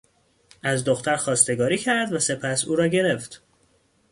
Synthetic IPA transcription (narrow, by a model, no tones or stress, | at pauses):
æzd̪oxt̪ʰæɾxɒːst̪e̞ɡɒːɾiːcʰæɾd̪væse̞pʰæsuːɾɒːɟe̞ɾe̞ft̪